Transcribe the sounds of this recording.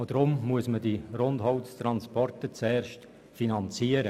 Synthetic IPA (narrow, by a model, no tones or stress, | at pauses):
odɾʊmmuəsmədirondɦɔwtstɾɑnspɔrtət͡sɛːrʃt | finɑnt͡siːəɾə